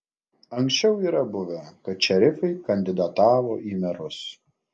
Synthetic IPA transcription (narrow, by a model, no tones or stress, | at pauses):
ɐŋksʲt͡ʃʲɛʊiːɾɐbʊʋʲɛkɐt̪̚t͡ʃʲɛɾʲɪfɐɪkɐnʲd̪ʲɪd̪ɐt̪ɑːʋoːʔiːmʲɛɾʊs